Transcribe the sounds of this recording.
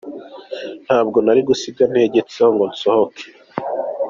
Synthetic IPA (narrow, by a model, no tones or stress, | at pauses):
n̥haːb̚ɡo̞naɾiɡusiɡ̚ɡan̥he̞ːɟe̞t͡sehoŋɡonsohoke̥